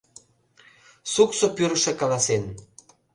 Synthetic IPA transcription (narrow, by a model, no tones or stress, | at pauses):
suksopyɾə̆ʃĕkɑlɑsen